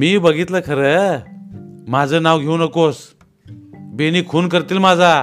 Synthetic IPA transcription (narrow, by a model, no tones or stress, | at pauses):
miːbəɡit̪ləkʰəɾə | mad͡zənawɡʱewnəkos | benikʰuːnkəɾt̪iːlmad͡zʱa